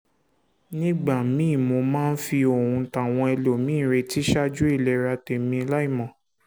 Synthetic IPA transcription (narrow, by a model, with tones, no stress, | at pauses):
nĩ˦ɡ͡ba˦˨mĩ˦˨mo˧mãː˦n̩˦fi˧o˨hũ˧˦ta˨w̃ɔ̃˧ɛ˧lo˨mĩː˦˨ɾe˧ti˦ʃa˦d͡ʒu˦i˦˨lɛ˨ɾa˧te˨mĩ˧˦la˦i˦˨mɔ̃˨